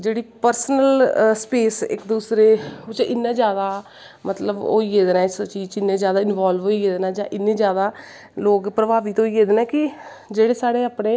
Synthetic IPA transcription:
d͡ʒeːɽiːpəɾsənəlspeːsɪ̰kd̪uːsɾeːʊt͡ʃɪnːẽːzjaːd̪aː | mət̪ləbo̰ːiːeːd̪nãːst͡ʃiːt͡ʃɪnːẽːzjaːd̪aːɪnʋaːlʋɦoːiːeːd̪naːd͡ʒãːʔɪnːẽːzjaːd̪aː | loːkpɾəbaːʋiːt̪oːiːeːd̪enɛːkɪ | d͡ʒeːɽeːsaːɽeːaːpnẽː

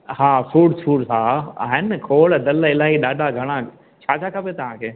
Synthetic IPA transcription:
ɦaːfuːɖsuːɽsaːa̰ːɦɪnkʰoːɭd̪ɐlɪlaːɦiɗaːɖʱaɡʱɐɽ̃a | t͡ɕʰaːt͡ʃʰakʰapet̪ɐʋ̤ãkʰeː

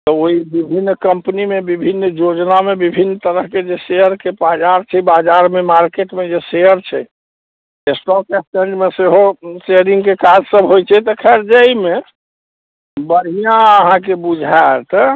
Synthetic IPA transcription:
t̪ɔoibibʱinːkəmpnimebibʱinːjod͡ʒnamebibʱinːt̪əɾəɦked͡ʒesejəɾkepad͡ʒaɾt͡ʃʰɛbad͡ʒaɾmemaɾkeʈmed͡ʒeseəɾt͡ʃʰɛ̰ | esʈɔkesʈẽɳɖmeseɦoseɾĩŋɡkekad͡ʒsəbɦojt͡ʃʰɛt̪ɔkʰɛɾd͡ʒəime | bəɾɦijãəɦãk̬ebud͡ʒʱat̪

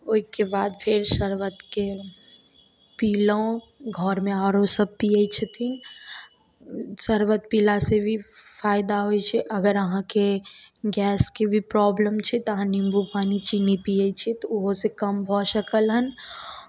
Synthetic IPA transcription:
oikebaːd̪pʰɪɾʃəɾwət̪ke | piːlõ | ɡʱɔːɾmẽaːɾosəb̚pijəit͡ʃʰət̪ʰin | səɾwət̪̚pilasebʱifʰaːɪd̪aɦoit͡ʃʰɛʔɐɡəɾəɦãkeɡɛːskebʱipɾɔːbləmt͡ʃʰit̪ɦãnimbupaːnit͡ʃinipiəit͡ʃʰit̪ɔʊɦosekəmbʱɔʃəkəlɦən

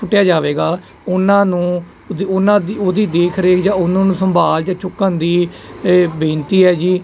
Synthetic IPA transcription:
ʊʈːjaːd͡ʒaːʋeːɡaː | ʊnãːnũː | d̪ʊnãːd̪ioːd̪iːd̪eːkʰɾeːkʰd͡ʒãːʊnãːnũːsəmbʱaːld͡ʒãːt͡ʃʊkːənd̪iː | bẽːnt̪iːɦɛːd͡ʒiː

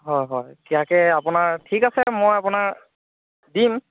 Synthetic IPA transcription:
ɦɔjɦɔjkiakɛapʊnaɹtʰikasɛmojapʊnaɹ | dim

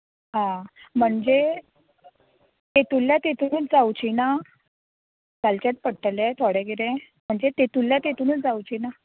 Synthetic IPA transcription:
ɦãm̤əɳd͡ze | t̪et̪uljat̪et̪unuːt͡sd͡zawt͡ɕina | kalt͡ɕat̪̚pəɽʈlɛt̪ʰoɽɛɡiɾɛ̃ | m̤əɳd͡zet̪et̪uljat̪et̪unuːt͡sd͡zawt͡ɕina

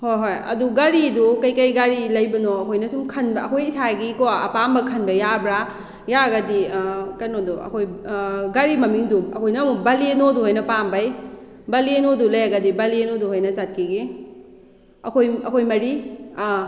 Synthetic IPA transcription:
hojɦojɐ̰duɡaɾidukɐjkɐjɡaɾilɐjbɐnoɐkʰojnɐsumkʰɐnbɐːkʰojisaɡikoaɐ̰pambɐkʰɐnbɐjabɾa | jaɡɐdikɐɾnoduɐ̰kʰojɡaɾimɐmiŋduɐkʰojnɐmubɐlienoduhojnɐpambɐj | bɐlienodulɐjaɡɐdibɐlienoduhojnɐt͡ʃat̚kʰiɡi | ɐkʰojɐkʰojmɐɾi

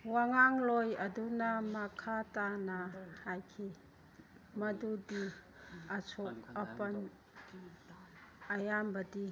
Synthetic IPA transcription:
waŋaŋlɔjɐdunɐmɐkʰatanɐhajkʰi | mɐdudi | ɐt͡ʃʰɔk̚ɐpɐn | ɐjambɐdi

